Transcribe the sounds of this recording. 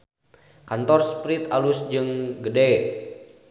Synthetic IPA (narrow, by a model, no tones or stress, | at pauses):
kant̪ɔrspɾit̪alusd͡ʒɨŋɡədɛ